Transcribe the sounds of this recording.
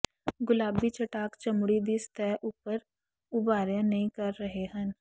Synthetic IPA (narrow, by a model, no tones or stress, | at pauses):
ɡʊlaːbit͡ʃɐʈaːkt͡ʃɐmɽid̪ist̪ɛːʔuːpəɾ | ʊbaːɾjẽnɐɦĩkɐɾːɐɦeɦə̃n